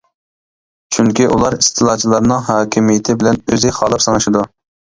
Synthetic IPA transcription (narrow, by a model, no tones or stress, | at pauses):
t͡ʃʰyŋkʲiʔulˠɑɾist̪ʰɨlˠɑt͡ʃʰilˠɑɾnɨŋɦɑːkʲʰimijɪt̪ʰɪbɪlɛnøzɪχɑːlˠɨpsɑnɨʃid̪u